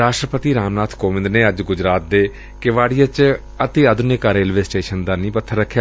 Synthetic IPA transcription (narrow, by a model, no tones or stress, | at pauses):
ɾaːʃʈɾəpət̪iːɾaːmnaːt̪ʰkoːʋɪ̃nd̪neːəd͡ʒɡʊd͡ʒɾaːt̪̚d̪eː | kɪʋaːɽijat͡ʃ | ət̪eːəd̪ʊnekaɾeːlʋeːsʈeːʃənd̪aːnĩːpət̪ʰːəɾəkʰːjaː